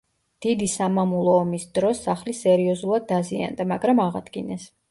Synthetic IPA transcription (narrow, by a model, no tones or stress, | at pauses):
d̪̥id̪isamamulˠɔːmisd̪ɾɔsːaχlisɛɾiɔzulˠad̪̚ːazia̰nd̪amaɡɾamaʁa̰d̪̥ɡinɛs